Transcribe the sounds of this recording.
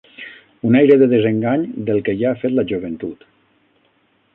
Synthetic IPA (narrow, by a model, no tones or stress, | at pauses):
unajɾəðəðəzəŋɡaɲd̪əlˠkeʒaːfet̪ləʒuβ̞ənt̪ut̪